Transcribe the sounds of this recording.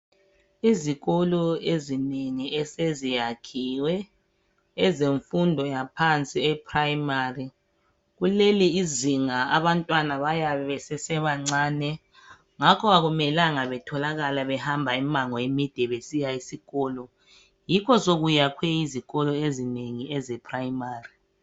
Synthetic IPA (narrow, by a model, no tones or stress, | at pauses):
iziɣɔlɔezineŋiʔɛsezijakʰiwɛː | zeɱfundʱɔjapʰant͡sʼiɛpʰrajmari | ɣuleliːziŋaaβantʼwanaβajaβɛβɛsɛsɛβaŋ͡ǀaːnɛ | ŋakʰɔaɣumɛlaŋaβɛtʰɔlaɣalaβɛhambʱaimaŋɔjemid̥ʱɛβesijaisiɣɔːlɔ | jikʰɔsoɣujakʰwɛiziɣɔlɔezineŋiɛzɛpʰʼrajimaːri